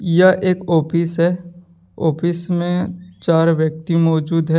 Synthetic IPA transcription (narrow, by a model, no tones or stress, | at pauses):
jaʔeːkɔːpʰɪsɦɛː | ɔːpʰɪsmẽt͡ʃaːɾʋjək̚t̪imɔːd͡ʒuːd̪ɦɛ